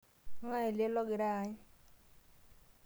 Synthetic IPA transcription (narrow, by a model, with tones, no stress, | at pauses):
ŋa˦e˨ljɛ˦lɔ˦ɡɪ˨ɾa˦˨ɲ˦